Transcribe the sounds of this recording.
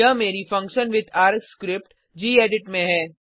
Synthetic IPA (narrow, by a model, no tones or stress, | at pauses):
əmeːɾifɐ̃ŋkʃənʋɪd̪ʰaːɾkskɾɪp̚ʈ | d͡ʒiːeːɖɪʈmẽɦɛː